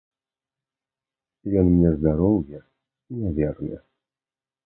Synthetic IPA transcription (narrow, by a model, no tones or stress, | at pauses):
jɔnmɲʲɛzd̪aɾɔwjɛ | inʲɛvʲɛrnʲɛ̰